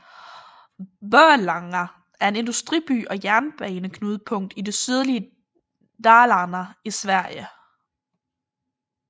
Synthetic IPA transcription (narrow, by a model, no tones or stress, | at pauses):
ʋœɐlɑ̈ŋɐ | æɐe̝ne̝nd̥usd̥ʁib̥y̰ːʔɒ̽jæɐnb̥ɛːnəkʰnuːð̞ˠpʰɔ̽ŋ̰d̥ide̝syð̞ˠliə | d̥ɑ̈ːlɑnɐisʋæɐ̰jə